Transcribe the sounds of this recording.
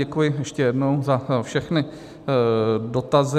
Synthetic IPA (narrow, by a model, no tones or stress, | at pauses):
ɛkujɪjɛʃcɛjɛdnowzafʃɛxnɪ | do̞t̪azɪ